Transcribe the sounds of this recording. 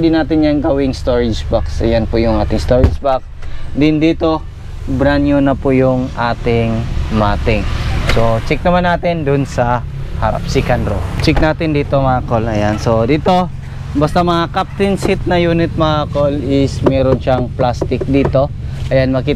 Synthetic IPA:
d̪ɪnaːt̪ɪnjaŋɡɐwɪŋst̪oɹɪd͡ʒbaksɐ̰janpʊjʊŋʔaːt̪ɪŋst̪oːɾɪd͡ʒbak̚ | d̪ɪnd̪iːt̪o̞ | bɾanjunɐpʊjʊŋaːt̪ɪŋmat̪ɪŋsot͡ʃɛk̚nɐmanːaːt̪ɪnd̪ʊnsɐ | haɾa̰p̚sɪkand̪ɾot͡ʃɪk̚naːt̪ɪnd̪iːt̪omɐaakolɐjanso̞d̪iːt̪o̞ | bɐst̪amɐŋakap̚t̪ɪnsɪt̪̚nɐjuːnɪt̪̚mɐakolɪsmɛɾonʃaŋplast̪ɪk̚d̪iːt̪o̞ | ʔɐjanmɐkiː

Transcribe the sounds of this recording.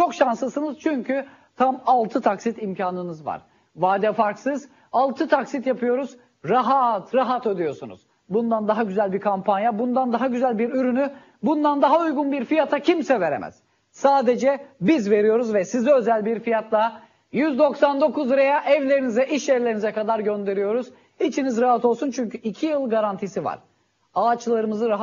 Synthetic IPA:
t͡ʃʰo̞kʃansˠɯsɯnɯz̥t͡ʃʰyɲcʰy | t̪ʰamalˠt̪ʰɯt̪ʰaksit̪imcʰaːnɯnɯzva̰ɾ̥ | vaːd̪ɛfaɾksɯz̥ | alˠt̪ʰɯt̪ʰaksit̪japʰɯjo̞ɾuz | ɾaɦat̪ɾaɦat̪ød̪yjo̞sunṵz̥ | bund̪and̪aɦaɟyzælʲbiɾkʰampʰanjabund̪and̪aɦaɟyzælʲbiɾyɾyny | bund̪and̪aɦaujɡunbiɾfijat̪ʰacʰimsɛve̞ɾḛmʔæ̰z̥ | saːd̪e̞d͡ʒɛbizve̞ɾijo̞ɾuzvɛsizɛø̞zælʲbiɾfijat̪lˠa | jyzd̪o̞ksand̪o̞kʰuzɾajaʔɛvlʲe̞ɾinizɛʔiʃɛvlʲeɾinizɛkʰad̪aɾɟø̞nd̪e̞ɾijo̞ɾuz | it͡ʃʰinizɾaɦat̪ʰo̞lˠsunt͡ʃʰyɲcʰyʔicʰijɯlˠɡaɾant̪ʰisiva̰ɾ̥ | aːt͡ʃlˠaɾɯmɯzɯɾaɦ

